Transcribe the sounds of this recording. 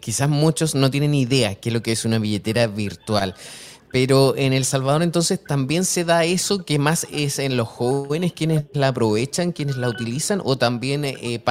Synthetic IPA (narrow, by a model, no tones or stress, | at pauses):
kisasmut͡ʃo̞sno̞t̪je̞ne̞niðe̞akezlo̞keesunaβiʝe̞t̪eɾaβiɾt̪wal | peɾoenelsalβaðoɾent̪onse̞st̪ambje̞nseðaesokemasesenlo̞sxo̞βeneskje̞nelaːpɾo̞βet͡ʃaŋkje̞neslaut̪ilisanʔot̪ambje̞nep